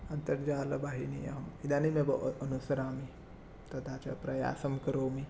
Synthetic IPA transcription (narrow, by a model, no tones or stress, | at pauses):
ɐnt̪ɐɾd͡ʒaːlɐbaːɦinḭɐ̰ɦɐmid̪aːnimebɐʔʔɐnusɐɾaːmi | t̪ɐt̪ʰaːt͡ʃɐ̰pɾɐja̰ːsɐmkɐɾoːmi